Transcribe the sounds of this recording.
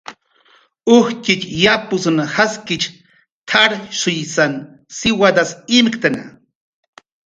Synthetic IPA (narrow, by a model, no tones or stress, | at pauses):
ʊhkɪt͡ʃjapʊsnahaskɪt͡ʃ | t̪ʰaɾsʊjsan | sɪwad̪asɪmkt̪ana̰